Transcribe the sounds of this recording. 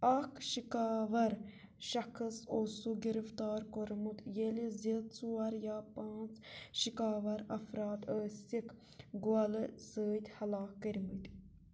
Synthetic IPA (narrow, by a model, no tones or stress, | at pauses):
ɐkʃikaːʋɐɾ | ʃɐxʰɐsosuɡiɾift̪aːɾkoɾmut̪jelizet̪t͡suɐɾjaːpaːnt͡sʃikaːʋɐɾɐfɾaːt̪əːsʲik | ɡuɐlɨsəːt̪ʲhɐlaːkːəɾmɨt̪ʲ